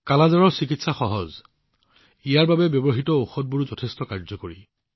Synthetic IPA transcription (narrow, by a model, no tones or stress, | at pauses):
kalazaɹɔɹsik̬itsaxɔɦɔz | ijaɹbabɛbjɔbɔɦitɔoxɔd̚buɹzɔtʰestɔkaɹzɔkoɹi